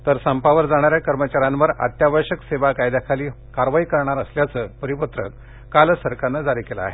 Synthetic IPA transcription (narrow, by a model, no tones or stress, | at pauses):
t̪əɾsampaʋəɾd͡zaɽ̃aɾjakəɾmət͡ɕaɾãnʋəɾa̰t̪jaʋəɕəkseʋakajd̪akʰaliː | kaɾʋaikəɾɳ̃aɾəsljat͡səːpəɾipət̪ɾə̰k | kalsəɾkanːəd͡zaɾikela̰ːɦe